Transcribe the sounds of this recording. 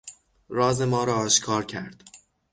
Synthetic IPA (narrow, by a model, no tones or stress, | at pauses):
ɾɒːze̞mɒːɾɒːʃkʰɒːɾcʰæɾd̪̥